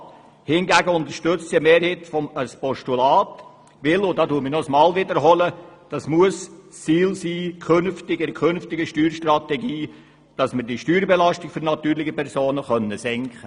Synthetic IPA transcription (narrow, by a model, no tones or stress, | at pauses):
hɪnɡæɡəʊnd̪əɾʃtʏt͡ssiəmeːɾhitfɔməspɔʃtulɑːt | ʋɪlʊdɑːduəmənɔəsmɑːlvɪdəɾɦɔləd̥ɑsmuəst͡siːlsiːkʰønftɪɡɛɾəkʰønftɪɡəʃtyːɾʃtrɑt̪ɛɡiː | d̥ɑsməɾdiʃtyːɾbelɑʃtɪɡ̥fʏɾnɑt̪yːɾlɪɡəpɛɾsoːnəχœnːəsɛŋkχə